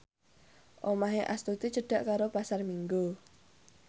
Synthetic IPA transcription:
ʔomaɦeʔast̪ut̪it͡ʃəɖ̥aʔkaɾopasarmiŋɡu

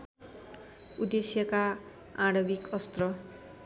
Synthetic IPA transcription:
ud̪esjʌka | aɽʌbikʌst̪rʌ

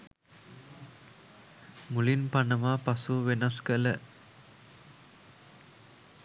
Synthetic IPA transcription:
mulinpɐɳɐmaːpɐsuʋenɐskələ

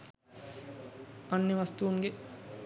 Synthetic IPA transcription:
anːeʋast̪uːŋɡe

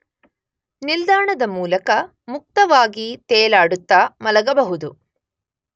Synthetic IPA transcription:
nild̪aːɳɐd̪ɐmuːlɐkɐ | muk̚t̪ɐʋaːɡit̪eːlaːɽut̪ːaːmɐlɐɡɐbɐɦud̪u

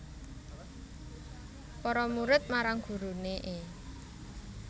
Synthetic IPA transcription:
pɔɾɔmuɾɪt̪̚maɾaŋɡ̥ṳɾuneʔe

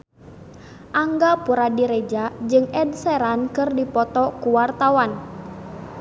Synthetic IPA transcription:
ʔaŋɡapuɾadiɾɛd͡ʒad͡ʒɨŋɛdsɛɾankɨrdipɔt̪ɔkuwart̪awan

